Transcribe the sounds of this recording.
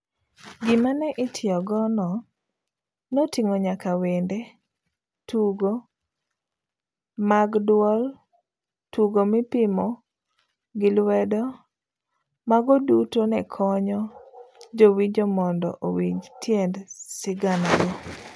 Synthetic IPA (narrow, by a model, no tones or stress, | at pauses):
ɡimanɛʔɪtʰɪɔɡɔnɔ | notiŋoɲakawende | tʰuɡo | maɡdwɔl | tuɡomɪpimɔ | ɡɪlwɛdɔ | maɡɔdutonɛkʰɔɲɔd͡ʒowiɲd͡ʒomɔndɔ̰ʔowiɲd͡ʒtʰjɛndsɪɡanaɡo